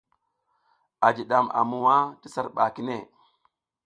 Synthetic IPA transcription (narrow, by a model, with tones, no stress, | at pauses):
a˨d͡ʒi˨ɗa˨ma̰˨mu˨wa˦ti˦sa˦ɾɓa˨ki˦ne˦˨